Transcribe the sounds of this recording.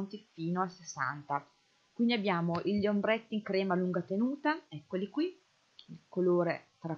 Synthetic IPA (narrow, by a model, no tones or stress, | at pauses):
nt̪ifiːnoasesːa̰nt̪a | kwind̪iabːjaːmoʔiʎːombɾɛt̪ːiŋkɾɛːmaluŋɡat̪enuːt̪aɛkːolikwi | ilkoloːɾet̪ɾa